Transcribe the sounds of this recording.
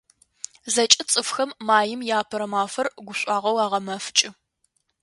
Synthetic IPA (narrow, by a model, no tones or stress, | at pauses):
zɐt͡ʃʼɪt͡sʼɨfxɐmːaːjɪmjaːpʰɐɾɐmaːfɐrɡʷʊɕʷʼɑːʁɐwaːʁɐmɐft͡ʃʼɪ